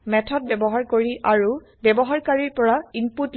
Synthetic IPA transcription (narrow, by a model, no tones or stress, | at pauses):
mɛtʰɔt̚bɛbɔɦaɹkoɹiʔaɹu | bɛbɔɦaɹkaɹiɹpɔɹaimput